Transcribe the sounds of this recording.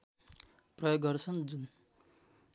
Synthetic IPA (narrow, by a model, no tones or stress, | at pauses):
prʌjoɡːʌrt͡sʰʌnd͡zun